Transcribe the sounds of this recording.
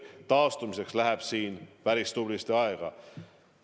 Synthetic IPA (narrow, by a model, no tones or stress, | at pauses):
t̪ɑːst̪umise̞kslæɦeb̥siːnpæɾist̪ublist̪eɑeɡ̥ɑ̰